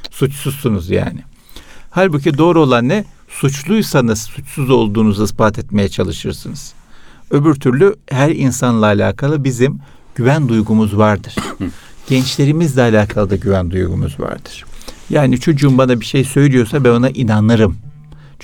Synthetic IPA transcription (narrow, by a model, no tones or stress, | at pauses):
sut͡ʃsuzsunuzja̰ːnɪ | halʲbucid̪o̞ːɾo̞lˠanːɛ | sut͡ʃlˠujsanasɯ̥sut͡ʃsuzo̞lˠd̪uːnuzaisbaːt̪ʰɛt̪me̞jɛt͡ʃʰalˠɯʃɯɾsɯnɯz̥øbyɾt̪ʰyɾlʲyhæɾinsanlˠaːlʲa̰ːkʰalˠɯbizim | ɟyvænd̪ujɡumuzvaɾd̪ɯɾ̥ | ɟ̥ɛnt͡ʃlʲe̞ɾimizd̪ʲɛalʲaːkʰalˠɯd̪aɟyvænd̪ujɡṵmṵzva̰ɾd̪ɯɾ̥jaːnit͡ʃʰo̞d͡ʒumbanabiʃe̞jsø̞jlʲijo̞sabæno̞naʔinanɯɾɯm